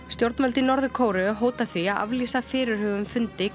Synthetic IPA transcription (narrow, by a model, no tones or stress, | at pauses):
st̪jowɾt̪mœlt̪ɪnɔɾðʏkʰoːwɾʏɦoːwt̪aθiaða̰vliːsafɪːɾɪɾ̥hœːvʏmfʏnt̪ɪ